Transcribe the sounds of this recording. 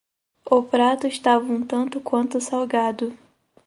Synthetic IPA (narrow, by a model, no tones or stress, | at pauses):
ʊpɾat̪ʊɪʃt̪avɐũt̪ɐ̃nt̪ʊkwɐ̃nt̪ʊsawɡad̪ʊ